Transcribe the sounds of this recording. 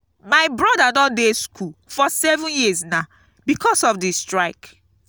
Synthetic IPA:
maɪbɹɔdanɔdeskʰulfɔsɛvũnjisna | bikʰɔsɔfdistɹaɪk

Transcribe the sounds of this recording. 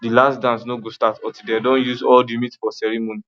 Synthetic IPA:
dilasdãnsnoɡostatɔ̃tidɛdɔ̃njuzɔldimitfɔsɛɹimoni

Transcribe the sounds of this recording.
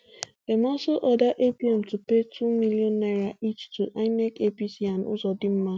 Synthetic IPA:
emɔsoʔɔdaʔepiɛm̩tupetʰumiliɔnːaɾaʔit͡ʃtuʔanɛkepisianʊ̰zɔdɪm̩ma

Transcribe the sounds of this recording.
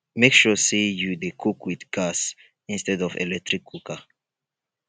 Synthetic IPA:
mekʃɔsejudekʰukwidɡ̥as | ĩnstɛdɔvɛ̰lɛk̚tɹikʰːukʰa

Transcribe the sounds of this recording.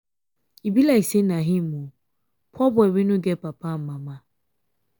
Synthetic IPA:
ibilaisenaɦĩmũ | pʰɔbʊɛwinũɡɛpapʰam̩mãmã

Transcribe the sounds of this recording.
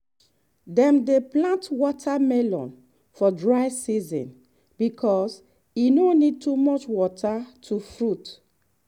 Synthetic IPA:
dɛ̃mdeplãntwɔtʰamɛlɔ̰̃n | fɔdɹaɪsizɔ̰̃n | bikʰɔs | inonid̚tumɔt͡ʃwɔtʰatʰufɹut

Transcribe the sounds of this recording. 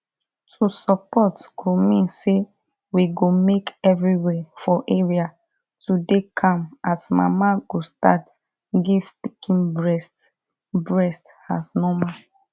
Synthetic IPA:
tʰusɔpɔtkʰumĩnse | wiɡomekɛvɹiwɛfɔʔeɹia | tudekʰãmasma̰maɡosta̰t | ɡivpikʰĩnbɹɛst | bɹɛst | asnɔmã

